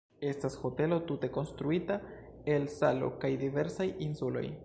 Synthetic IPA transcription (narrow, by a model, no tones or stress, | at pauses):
e̞stasho̞te̞lo̞tute̞ko̞nstɾuita | e̞lsalo̞̰kajdive̞ɾsajinsulo̞̰j